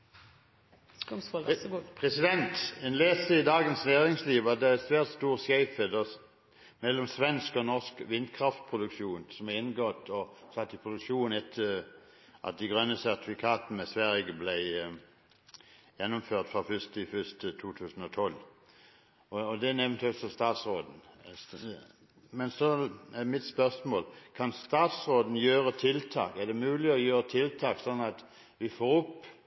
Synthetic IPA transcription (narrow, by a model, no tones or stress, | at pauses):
pʰʁɛsɪd̪ɛnt̪ɛnleːst̪əɪd̪ɑːɡənsnæːʁɪŋsliːʋɑd̪ɛɛsʋæːʁt̪st̪uːʁsjæɪfəd̪ɔ | mɛlːɔmsʋɛnskɔnɔʁskʋɪnd̪̚kʰʁɑft̪̚pʰʁʊd̪ʉkʃuːnsɔmæɪnɡɔt̪ɔsɑt̪ːɪpʰʁʊd̪ʉkʃuːnɛt̪ʰːəʁʔɑ̰t̪̚d̪ɪɡʁœnːəsæʁt̪ɪfɪkʰɑːt̪nəsʋæʁjəblæɪ | jɛnːʊmføːʁt̪fʁɑfʏst̪ɪfʏst̪ət̪ʰuːt̪ʰʉːsən̩ɔt̪ʰɔlː | ɔd̪ɛnɛʋənt̪ʰɛlt̪sɔst̪ɑːt̪sʁoːd̪n̩ | mɛnsɔɛmɪt̪spœʁsmoːlkʰɑnst̪ɑːt̪sʁoːd̪n̩jøːʁət̪ʰɪlt̪ʰɑ̰ːkæd̪ɛmʉːlɪɔjøːʁət̪ʰɪlt̪ʰɑːksɔnːɑt̪ | ʋɪfoːɾʊpː